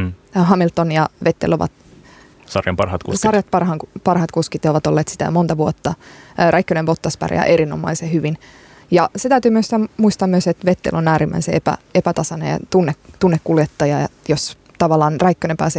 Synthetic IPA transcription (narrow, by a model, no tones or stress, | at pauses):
ɦɑmilt̪ːonjɑʋet̪ːḛloʋɑ̰t̪ | sɑ̰rjɑ̰mpɑ̰rhɑt̪kṵssɑrjɑt̪̚pɑrhɑːŋkpɑrhɑːt̪kuskit̪ːjɑoʋɑt̪olːeːt̪si̥t̪æ̰jo̰mont̪ɑʋuot̪ːɑræikːønepot̪ːɑspæ̰rjɑ̰ʔeɾinomɑ̰isehyʋin | jɑset̪æyt̪yːmyøst̪æmuist̪ɑːmyøset̪ʋet̪ːḛlonæːɾimːʔæ̰iseepæ̰epæt̪ɑsɑnḛɑ̰t̪unːekt̪unːekkːuljet̪ːɑjɑjos | t̪ɑʋɑlːˑɑːnræikːønempæːse